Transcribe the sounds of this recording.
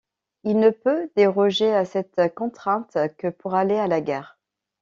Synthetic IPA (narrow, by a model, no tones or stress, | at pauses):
ilnəpød̪eʁɔʒeasɛt̪kɔ̃t̪χɛ̃t̪kəpuʁalealaɡaːʁ